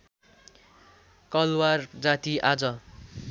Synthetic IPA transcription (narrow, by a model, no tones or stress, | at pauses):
kʌlward͡zat̪iʔad͡zʌ